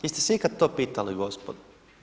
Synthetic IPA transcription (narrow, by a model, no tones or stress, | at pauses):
jest̪eseikad̪t̪oːpiːt̪aliɡospod̪